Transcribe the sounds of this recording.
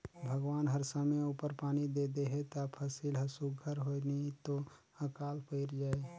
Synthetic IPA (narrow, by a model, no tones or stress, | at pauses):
bʱəɡwaːnɦəɾsəmeupəɾpaːnid̪ed̪eɦɛt̪apʰəsilɦəsuɡʱəɾɦonit̪o | əkaːlpəɪɾd͡ʒaːe